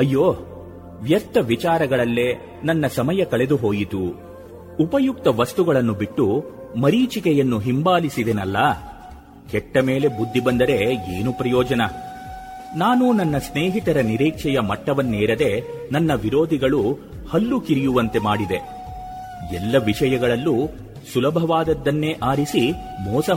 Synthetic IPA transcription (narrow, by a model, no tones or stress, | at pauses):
ɐjːoː | ʋjɐɾt̪ːɐʋit͡ʃaːɾɐɡɐɭɐlːe̞ | nɐnːɐsɐmɐjɐkɐɭe̞d̪uɦo̞ːjit̪uː | pɐjuk̚t̪ɐʋɐst̪uɡɐɭɐnːubiʈːu | mɐɾiːt͡ʃikɛjɐnːuɦimbaːlisid̪enɐlːɐ | kɛʈːɐme̞ːle̞bud̪ʱːibɐnd̪ɐɾe̞eːnupɾɐjɔːd͡ʒɐnɐ | naːnunɐnːɐsneːɦit̪ɐɾɐniɾiːkʂɛjɐmɐʈːɐʋɐnːeːɾɐd̪e̞ | nɐnːɐʋiɾo̞ːd̪ʱiɡɐɭu | hɐlːukiɾijuʋɐnt̪e̞maːɽid̪e̞ | ɛ̰lːɐʋiʂɐjɐɡɐɭɐlːu | sulɐbʱɐʋaːd̪ɐd̪ːɐnːe̞ːʔaːɾisi | mɔːsɐ